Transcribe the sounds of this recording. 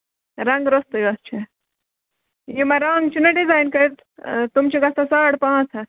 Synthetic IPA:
ɾɐ̃ŋɡɾost̪ɐjɐst͡ʃʰi | jimɐɾɐŋɡt͡ʃʰunɐɖizaːjnkɐɾt̪ | t̪umt͡ʃʰiɡɐst̪ɐsaːʈʰpãːt͡sʰɐ

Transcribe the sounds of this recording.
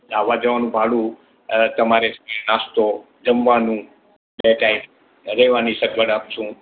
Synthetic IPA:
aʋad͡ʒəʋanũbʱaɭũ | t̪əmaɾesəmənast̪o | d͡ʒəmʋanũ | ɓeʈaim | ɾɛʋanisəkʋəɽaːpt͡ʃʰũ

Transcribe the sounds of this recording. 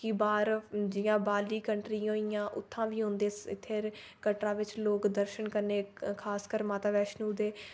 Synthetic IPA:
kɪbaːɾd͡ʒɪjãːbaːliːkəɳʈɾiːɦoːijãːʔʊ̰t̪ʰːãːʋiːɦʊ̃nd̪eːst̪ʰːeːɾ | kəʈɾãːʋɪt͡ʃloːkd̪əɾʃənkəɾneːkʰaːskəɾmaːt̪aːʋɛːʃnũːd̪eː

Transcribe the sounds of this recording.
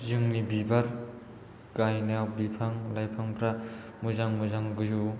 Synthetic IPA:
zɯŋnibibaɾ | kajnawbipʰaŋlajpʰaŋpɾa | muzaŋmuzaŋɡɯzu

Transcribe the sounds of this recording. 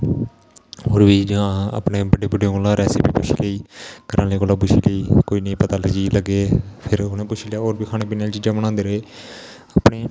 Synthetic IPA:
oːɾbiːd͡ʒãa̰pneːbəɖeːbiːɖijõːkoːlãːɾɛːseːbiːpʊʃʰḭːləiːkəɾʔãːleːkoːlaːp̬ʊʃʰḭːləiːkoːiːnəĩːpət̪aːləd͡ʒiːləɡeːpʰɪɾonẽːpʊt͡ʃʰiːlejaːoːɾbiːkʰaːneːpiːneaːlt͡ʃiːd͡ʒãːbəɽ̃ãːnd̪eːɾəeː | aːpɳeː

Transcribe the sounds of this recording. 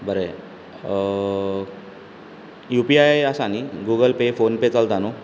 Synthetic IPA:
bəɾe | jupiajasaniɡuɡəlpefonpet͡səlt̪ano

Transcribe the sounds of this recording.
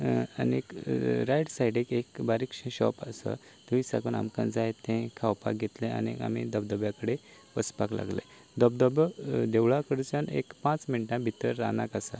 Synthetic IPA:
a̰nekɾajɽsaiɽekekbaɾikʂə̃ɕɔ̰pəsə̰ | t̪əʋisa̰kəna̰mkã̰nd͡zajet̪ẽkʰawpak̚ɡʱet̪lẽa̰nḭa̰mḭd̪əb̚d̪əbjakəɽe | ʋəspakla̰ɡlḛ | d̪əb̚d̪əbd̪eʋɭakəɽt͡sənḛkpãt͡sminʈãbʱit̪əɾːa̰nakasa

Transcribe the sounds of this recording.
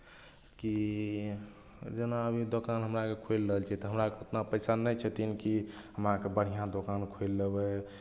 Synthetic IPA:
ki | d͡ʒenaəbʱid̪okanɦəmɾakekʰoelːəɦəlt͡ʃʰiɛt̪ɔɦəmɾakeot̪napəjsanɛjt͡ʃʰət̪inkiɦəmɾakebəɽ̤ijãd̪okankʰoelːebɛ

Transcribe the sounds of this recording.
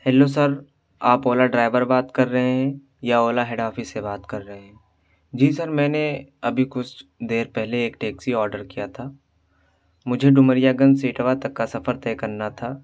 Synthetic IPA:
hɛːlosɐɾ | aːpoːlaɖɾaːɪʋəɾbaːt̪kɐɾːɐɦeɦɛ̃ | jaoːlaɦɛɖaːfisebaːt̪kɐɾːəɦẽɦɛ̃ː | d͡ʒiːsɐɾmɛ̃ːneɐbʱikʊt͡ʃʰd̪eːɾpɛɦleːkʈeːksiɔːɾɖəɾkijat̪ʰaː | mʊd͡ʒʱeɖʊməɾijaɡə̃nsiːʈʋat̪ɐkːasɐfəɾt̪ɛːkɐɾnat̪ʰaː

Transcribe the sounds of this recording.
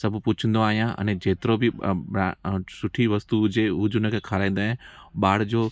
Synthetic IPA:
sɐbʱpʊt͡ʃʰə̃n̆d̪oaːɦijãʔɐ̰̃nẽd͡ʑeːt̪ɪɾobɪ | sʊʈʰiʋɐst̪ud͡ʑeʊd͡ʑʊnə̃kʰekʰaːɾaːĩn̆d̪aːɦɪ̃ɓaːɽ̤d͡ʑoː

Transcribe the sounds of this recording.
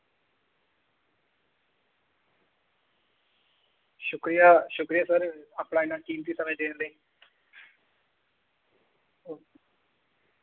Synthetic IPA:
ʃʊkɾijaːʃʊkɾɪjaːsəɾaːpɽaːɪnãːkiːmt̪iːsəmẽːd̪eːnləiː

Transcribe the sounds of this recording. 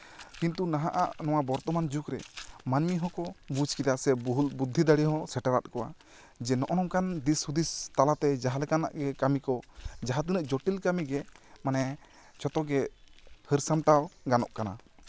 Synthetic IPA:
kint̪unaɦaʔaʔnɔw̃abɔɾt̪ɔmand͡ʒukɾɛ̰manmiɦɔ̃kɔbud͡ʒkid̪asɛbɦulbud̪ʱːid̪aɽiɦɔ̃sɛʈaɾat̪̚kɔwa̰ | d͡ʒɛnɔʔɔnɔmkand̪ishud̪ist̪alat̪ɛd͡ʒaɦalɛkana̰ʔɡɛkamikɔd͡ʒaɦat̪̬inəʔd͡ʒɔʈilkamiɡɛmanɛ | t͡ʃɔt̪ɔɡɛhəɾsamʈawɡanɔʔkana̰

